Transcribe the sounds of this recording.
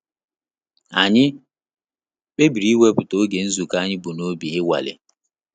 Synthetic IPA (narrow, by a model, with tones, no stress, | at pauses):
a˨ɲɪ˦ | k͡pe˦bi˨ɾi˨˦we˦pʊ˨to˦ɡe˨n̩˦zu˨ka˦ɲɪ˦bu˨no˦bi˨ɣɪ˦wa̰˨lɪ̰˨